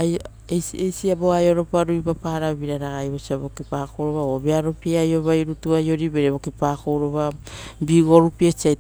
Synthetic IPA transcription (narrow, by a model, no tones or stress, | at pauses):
aj | esejsiabo̞ajoɾo̞paɾuipapaɾaβiɾaɾaɡajβosiaβokipakowɾo̞βaobeaɾopiajo̞βajɾutuajo̞ɾibeɾeβo̞kipako̞wɾo̞βabiɡo̞ɾupiesiaj